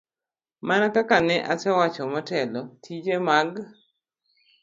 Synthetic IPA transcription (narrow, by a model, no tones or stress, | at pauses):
manakakanɛʔasɛwat͡ʃɔmɔtɛlɔtʰid͡ʒemaɡ